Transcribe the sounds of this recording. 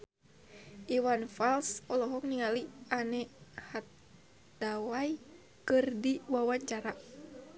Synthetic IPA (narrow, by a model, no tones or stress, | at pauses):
ʔiwanfalsɔlɔɦɔk̚niŋalianɛhat̪̚ | dawaj | kɨrdiwawaɲt͡ʃaɾa